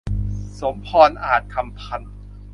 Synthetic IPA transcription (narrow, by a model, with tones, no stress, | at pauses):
so˩˦mpʰɔː˧nʔaː˨˩t̪̚kʰa˧mpʰa˧˩n